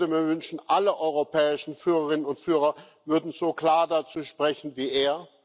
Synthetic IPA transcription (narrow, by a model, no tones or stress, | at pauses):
dəmiːɐvʏnʃn̩ʔaləʔɔʏʁopʰɛːɪʃn̩fyːʁəʁɪnənʊntfyːʁɐ | vʏɐdn̩z̥oːkl̥aːɐdat͡suːʃpʁ̥ɛçn̩viːʔeːɐ